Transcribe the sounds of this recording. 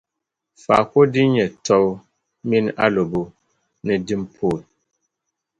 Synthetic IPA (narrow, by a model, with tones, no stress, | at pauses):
fa̰˨ko˦di˦ɲɛ˨tʰɔ˦w | mi˦na̰˦lo˨bo˦ | nɛ˨di˦m˦pʰo˦˨l